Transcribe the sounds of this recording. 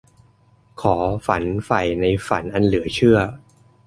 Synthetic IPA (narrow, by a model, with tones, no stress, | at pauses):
kʰɔː˩˦fa˩˦nfa˧˩jna˧jfa˩˦nʔa˧nlɯ˩˦ɐt͡ɕʰɯ˥˩ɐ